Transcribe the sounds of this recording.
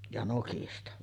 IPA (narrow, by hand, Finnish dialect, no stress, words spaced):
jɑ nokistɑ